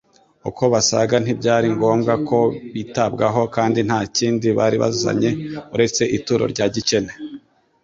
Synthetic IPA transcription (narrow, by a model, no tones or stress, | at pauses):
uko̞βasaɡan̥ibɟaːɾiŋɡo̞ːmɡako̞βitabɡaɦo̞kaːndin̥haːciːndiβaːɾiβa̰zza̰ɲe̞uɾe̞t͡se̞ʔituɾo̰ɾɟaːɟice̞ne